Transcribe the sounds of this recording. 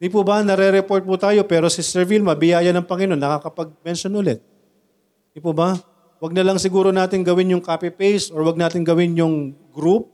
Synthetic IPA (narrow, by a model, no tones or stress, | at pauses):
d̪ipubɐnɐɾɛɾɛpo̞ɹt̪̚put̪aːjo̞pɛːɾosɪsɛɹvilmɐbɪjaːjɐnɐŋpɐŋɪno̞nːɐkakɐpɐɡ̚mɛnʃjonʔʊlɛt̪̚ | d̪ipubɐ | wɐɡ̚nɐlɐŋsɪɡuːɾo̞naːt̪ɪŋɡɐwɪnjʊŋkaːpɪpejsʔoɹwɐɡ̚naːt̪ɪŋɡɐwɪnjʊŋɡɾup̚